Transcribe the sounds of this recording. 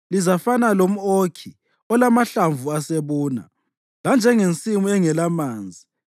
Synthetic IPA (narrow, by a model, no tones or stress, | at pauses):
lizafanalom̩okʰi | ɔlamaɬaɱvʱuaseβuːna̰ | land͡ʒʱɛŋent͡sʼimuɛŋɛlamaːnd͡zʱi